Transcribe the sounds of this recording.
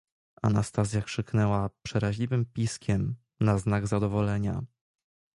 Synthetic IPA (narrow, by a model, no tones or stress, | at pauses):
a̰nast̪asz̬ʲjakʂɘknɛwapʂɛɾaʑlʲivɘmpʲiskʲʰɛm | naznaɡzad̪ɔvɔlɛɲa